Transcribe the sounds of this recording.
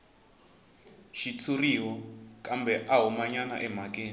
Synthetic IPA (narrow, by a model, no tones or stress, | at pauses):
ʃit͡sʰuriwɔkʼambʱɛʔaɦumaɲana̰ʔɛmak̬ʼeːni